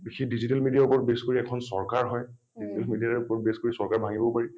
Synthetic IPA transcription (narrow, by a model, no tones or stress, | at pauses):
bixidizitɛlmidijaɹupɔɹtbeskoɹiɛkʰɔnsɔɹkaɹɦɔj | dizitɛlmidijaupɔɹbeskoɹisɔɹkaɹbʱaŋibɔpaɹi